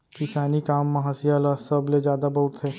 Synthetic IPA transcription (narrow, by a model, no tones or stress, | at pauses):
kɪsaːnikaːmːɐɦaːsijalasɐbled͡ʒjaːd̪abɐɦʊt̪ʰeː